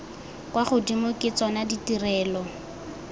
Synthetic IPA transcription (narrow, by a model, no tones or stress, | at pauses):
kwaχʊdimʊkʼɪt͡sɔnaditirɛːlɔ